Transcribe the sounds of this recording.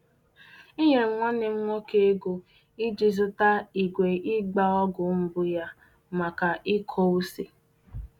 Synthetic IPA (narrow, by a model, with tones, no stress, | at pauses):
i˦ɦe˨ŋ̩˦˨ŋʷa˦ne˨ŋ̩˦ŋʷɔ˦ke˦ɡo˨ | i˦d͡ʒi˨zʊ˦ta˦i˨ɡʷe˨ɪ˦ɡ͡ba˦ɔ˦ɡʊ˨m̩˦bʊ˦ja˦ | ma˨ka˨ʔi˦kʰɔ˦u˦si˨